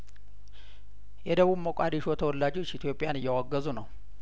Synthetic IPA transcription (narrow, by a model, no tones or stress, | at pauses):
jɛd̪əβuβməkʼad̪iʃo̞t̪ʰəwɔlːad͡ʒot͡ʃːit̪ʰjo̞pʼːijanɨjːɛwaɡːəzunəw